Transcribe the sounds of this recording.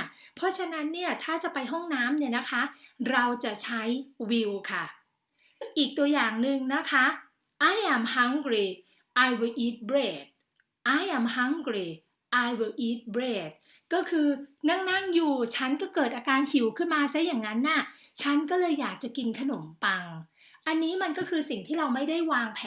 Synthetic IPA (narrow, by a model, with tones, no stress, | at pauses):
pʰɔ˦˥t͡ɕʰa˧na˦˥nːi˥˩ɐt̪ʰaː˥˩t͡ɕa˨˩pa˧jɦɔ˥˩ŋnaː˦˥mni˥˩ɐna˦˥kʰa˦˥ɾa˧wt͡ɕa˨˩t͡ɕʰa˦˥jwi˧wkʰa˥˩ | ʔiː˨˩k̚t̪u˧ɐjaː˨˩ŋnɯ˧ŋna˦˥kʰa˦˥ | ʔa˧˥˩jʔa˧˩mha˦˥ŋkɾiː˨˩ | ʔaː˧jwe˧ʔiː˦˥t̪̚bɾeː˨˩t̪̚ | ʔa˧˥˩jʔa˧˩mha˦˥ŋkɾiː˨˧˩ | ʔaː˧jwe˧˩ʔiː˦˥t̪̚bɾeː˨˩t̪̚ | kɔː˥˩kʰɯː˧na˥˩ŋna˥˩ŋjuː˨˩t͡ɕʰa˦˥nkɔː˥˩kɤː˨˩t̪̚ʔaː˧kaː˧nhi˨˩˦wkʰɯ˥˩nmaː˧sa˦˥jaː˨˩ŋːa˦˥nːa˥˩t͡ɕʰa˦˥nkɔː˥˩lɤː˧jːaː˨˩k̚t͡ɕa˨˩ki˧nkʰa˧no˩˦mpa˧ŋ | ʔa˧nːiː˦˥ma˧nkɔː˥˩kʰɯː˧si˨˩ŋt̪ʰiː˥˩ɾa˧wma˥˩jda˥˩jwaː˧ŋpʰɛː˨